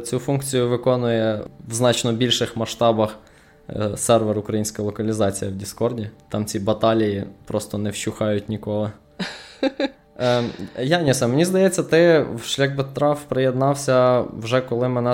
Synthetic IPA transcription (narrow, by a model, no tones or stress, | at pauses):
t͡sʲufunkt͡sʲijʊʋɪkɔnʊjɛwznɑt͡ʃnɔbʲilʲʃɪxmɐʃt̪ɑbɐx | sɛrʋɛɾʊkɾɐjinʲsʲkɐlˠɔkɐlʲizɑt͡sʲijɐwdʲiskɔrdʲit̪ɑmt͡sʲibɐt̪ɑlʲijipɾɔst̪ɔnɛwt͡ʃuxɑjʊtʲnʲikɔlˠɪ | jɑnʲisɐmenʲizd̪ɐjɛt͡sʲːɐt̪ɪwʃlʲɐxbet̪ɾɑfpɾɪjed̪nɑwsʲɐwʒɛkɔlˠɪmɪnɛ